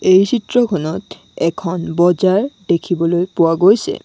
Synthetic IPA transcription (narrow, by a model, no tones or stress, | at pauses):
ejt͡ɕʰitɹɔkʰɔnɔt | ɛkʰɔnbɔd͡ʑaɹd̪ekʰibɔlojpowaɡojsʰɛ̰